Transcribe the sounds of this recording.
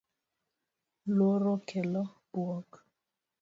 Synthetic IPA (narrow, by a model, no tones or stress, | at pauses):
lwɔɾɔkʰɛlɔbwɔk